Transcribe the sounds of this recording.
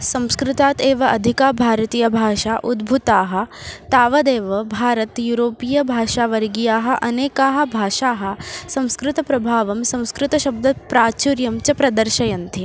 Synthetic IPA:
sɐ̃w̃skɾɪt̪aːt̪eːʋɐʔɐd̪ʱikaːbʱaːɾɐt̪iːjɐbʱaːʃaːʔud̪bʱut̪aːɦɐ̆t̪aːʋɐd̪eːʋɐbʱaːɾɐt̪juɾoːpijɐbʱaːʃaːʋɐɾɡijaːɦɐ̆ʔɐneːkaːɦɐ̆bʱaːʃaːɦɐ̆sɐ̃w̃skɾɪt̪ɐpɾɐbʱaːʋɐmsɐ̃w̃skɾɪt̪ɐʃɐb̚d̪ʱɐpɾaːt͡ʃuɾjɐmt͡ʃɐpɾɐd̪ɐɾʃɐjɐnt̪ʰi

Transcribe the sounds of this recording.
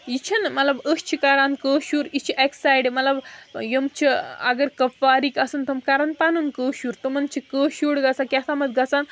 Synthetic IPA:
jit͡ɕʰɐnmɐt̪labəst͡ʃʰikaɾankəːɕuːɾit͡ʃʰiʔeksajɖmɐt̪labjəmt͡ɕʰia̰ɡəɾkɐfaɾikɐsənt̪ʰɐmkaɾanpanunkəːɕuːɾt̪əmɐnt͡ʃʰikəɕuɽɡat͡sakʲjasʰamɐt̪̚ɡat͡san

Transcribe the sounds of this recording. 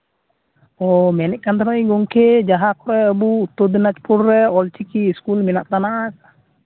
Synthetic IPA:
ɔmɛnɛʔ̚kant̪anɔĩɡɔŋkʰɛd͡ʒaɦakɔɾɛəbuːt̪ːɔd̪inat͡ʃpuɾːɛɔlt͡ʃikiːskulminaʔt̪anaʔaka

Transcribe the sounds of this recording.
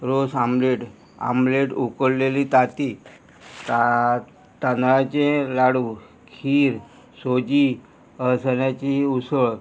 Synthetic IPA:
ɾosamleʈ | a̰mleʈukəɽlelit̪at̪i | t̪a | t̪anɭat͡ɕẽlaɽu | kʰiːɾ | sod͡ʑi | əsəɳjat͡ɕiusəɭ

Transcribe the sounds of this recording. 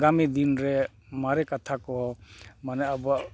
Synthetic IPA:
ɡamid̪inɾɛ | maɾɛkat̪ʰakɔmanɛabɔ

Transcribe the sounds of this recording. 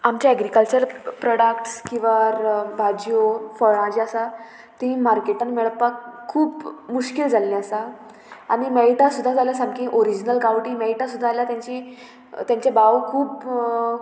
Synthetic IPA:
amt͡ɕaɛɡɾikəlt͡ɕəɾpɾɔɽəkʈskĩw̃ʋaɾbʱad͡ʑijofɔɭãd͡ʑiasa | t̪ĩmaɾkeʈənmeɭəpːakʰːuːpmuɕkild͡zalːiasa | aɽ̃imɛiʈasud̪ʱːad͡zalasãŋkĩʔoɾid͡ʑnəlkawʈĩmɛiʈasud̪ʱːaljat̪jãɲt͡ɕiː | t̪jãɲt͡ɕjabaʋkʰuːp

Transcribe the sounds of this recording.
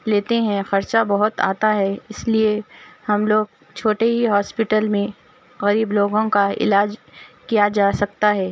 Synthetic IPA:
leːt̪eɦɛ̃xɐɾt͡ʃabɐɦʊt̪a̰ːt̪aɦɛɪsliehɐmloːɡ̚ | t͡ʃʰoːʈeɦiɦɔːspɪʈəlmẽ | ɣɐɾiːbloːɡõkaɪ̰laːd͡ʒkijad͡ʒaːsɐk̚t̪aɦɛː

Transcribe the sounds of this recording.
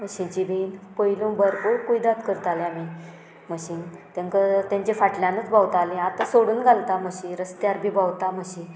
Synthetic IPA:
məɕint͡ɕibʱinpəilũbəɾpoɽkoid̪at̪kəɾt̪aleami | məɕiːnt̪jãŋkət̪jãɲt͡ɕefaʈljãnət͡sbʱawt̪aleat̪asoɽuːnɡʱalt̪aməɕinɾəst̪jaɾbʱiːbawt̪aməɕin

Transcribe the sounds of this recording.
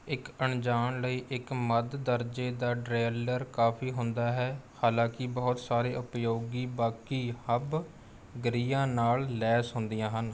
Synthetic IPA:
ɪkəɳd͡ʒaːɳləiːʔɪkməd̪d̪əɾd͡ʒeːd̪aːɖɾeːləɾkaːpʰiːɦʊnd̪aːɦɛːhaːlãːkɪbɔːʊt̪saːɾeːʔʊpjoːɡiːbaːkiːhəb | ɡəɾiːãːnaːllɛːsɦʊnd̪ijãːɦən

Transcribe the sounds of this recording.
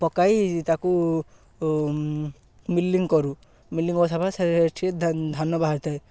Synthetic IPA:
pɔkajt̪aku | milːiŋkɔɾu | milːiŋɔsabʱasaʈʰied̪ʱanɔbaɦaɾt̪ʰaj

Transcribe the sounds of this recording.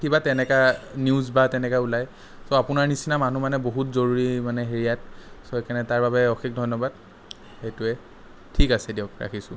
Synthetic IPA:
kibatɛnɛkaniʊzbatɛnɛkaulaj | soapʊnaɹnisinamanumanɛboɦutzoɹuɹimanɛɦeɹijat̚soekʰanɛtaɹbabɛɔxik̚dʱɔjnɔbad̚ | hejtuɛ | tʰikasɛdiɔkɹa̰kʰisʊ̃

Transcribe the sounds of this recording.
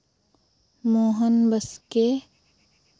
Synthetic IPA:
moːɦənbəske

